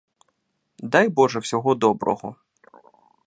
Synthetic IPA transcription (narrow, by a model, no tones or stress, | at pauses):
d̪ɑjbɔʒɛwsʲɔɦɔd̪ɔbɾɔ̰ɦɔ̰